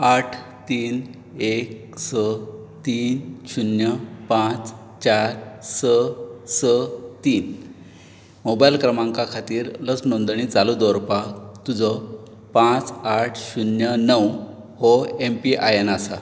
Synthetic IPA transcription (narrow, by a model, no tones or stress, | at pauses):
aʈʰ | t̪iːn | ek̚ | sə | t̪iːnɕunjəpãt͡s | t͡ɕaɾsəsət̪iːn | mobajlkɾəmãŋkakʰat̪iːɾləsnond̪ɳiːt͡salud̪ɔɾpat̪ud͡zɔ | pãt͡saʈʰɕunjənəw | hɔempiʔajenasa